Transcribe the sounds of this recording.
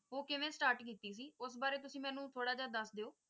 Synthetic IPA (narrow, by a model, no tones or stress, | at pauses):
ɦoːkɪʋẽːsʈaːɾʈkiːt̪iːs̬iːʊs̬baːɾeːt̪ʊsĩːmɛ̃ːnũːt̪ʰoːɽaːd͡ʒaːd̪əsd̪eːoː